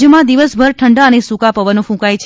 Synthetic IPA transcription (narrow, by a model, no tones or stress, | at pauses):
jəmãd̪iʋəsbʱəɾʈʰəɳɖaənesũkapəʋənõfũkajt͡ʃʰ